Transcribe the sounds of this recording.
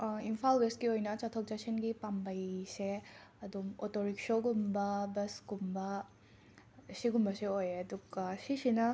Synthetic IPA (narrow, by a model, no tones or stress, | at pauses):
impʰalwestɡiojnɐt͡ʃatʰok̚t͡ʃasenɡipambɐjseɐdumotoɾik̚soɡumbɐbɐsɡumbɐ | siɡumbɐseojɐduɡ̥ɐsisinɐ